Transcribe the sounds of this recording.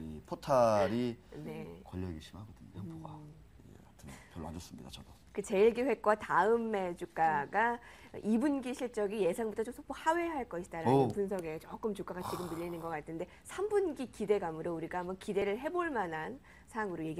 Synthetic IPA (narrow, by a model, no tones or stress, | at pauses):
ipʰotʰaɾine̞kwʌʎːʌɡiɕʰimaɡodɯɲɲopoɡa | eatʰɯnpjʌɭːoɦa̰d͡ʑʌs͈ɯmɲid̥a̰t͡ɕʌdo | kɯt͡ɕe̞iɭɡiɸwe̞k͈̚wataɯmːe̞t͡ɕuk͈aɡaʔibunɡiɕʰiɭt͡ɕ͈ʌɡije̞sʰaŋbutʰʌt͡ɕomsʰopʰohaweɦaɭk͈ʌɕʰi̥daɾanɯpuns̬ʰʌɡe̞t͡ɕok͈ɯmt͡ɕuk͈aɡat͡ɕ͈ʰiɡɯmːiʎːinɯnɡʌk͈atʰɯnde | sʰambunɡikide̞ɡamɯɾjouɾiɡaːmbʌnkide̞ɾɯɭɦe̞boɭmanan | sʰaŋɯɾoje̞ɡi